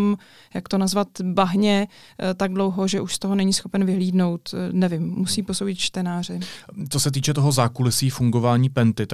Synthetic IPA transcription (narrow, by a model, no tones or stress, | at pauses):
m | jakt̪o̞nazvat̪baɦɲɛ | t̪aɡ̚dlo̞wɦo̞ʒɛʔuʃst̪oɦo̞nɛɲisxo̞pɛnvɪɦliːdno̞wt̪nɛvɪmːusiːpo̞sowɟɪt̪t͡ʃt̪ɛnaːr̝ɪt͡sosɛt̪̬iːt͡ʃɛt̪oɦo̞zaːkulɪsiːfuŋɡo̞vaːɲiːpɛnt̪ɪt̪